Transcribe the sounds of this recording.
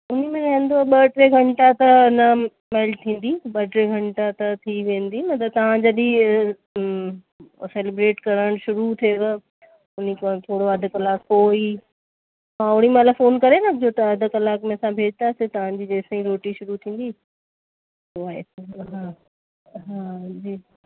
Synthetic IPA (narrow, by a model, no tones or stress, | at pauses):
ʊnimẽnɐɦə̃nd̪oɓɐʈɾeɡʱɐ̃ɳʈat̪ɐnɐ | meːlʈ̚t̪ʰĩːn̆d̪iɓɐʈɾeɡʱɐ̃ɳʈat̪ɐt̪ʰiʋẽːnd̪imɐt̪ɐb̚t̪ɐʋ̤ãd͡ʑəɗi | seːlebɾeːʈkɐɾəɽ̃ʃʊɾut̪ʰieʋ | ʊnikot̪ʰoːɽoɐd̪ʱʊkɐlaːkpoːi | ɦãʊɽ̃imãləɡfoːnkɐɾenɐd͡ʑot̪ɐɐd̪ʱə̆kɐlaːkmẽɐsãbʱeːd͡ʑt̪aːsɪt̪ɐʋ̤ãd͡ʑiːd͡ʑeːsĩɾoːʈiʃʊɾut̪ʰĩːn̆d̪i | soaːḛsɦãː | ɦãːd͡ʑiː